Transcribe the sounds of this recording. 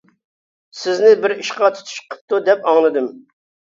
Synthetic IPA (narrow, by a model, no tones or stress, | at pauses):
sɪznɪbɪɾiʃqɑt̪ʰu̥t̪ʰu̥ʃqʰə̥p̚t̪ud̪ɛpɑŋlˠɨd̪ɨm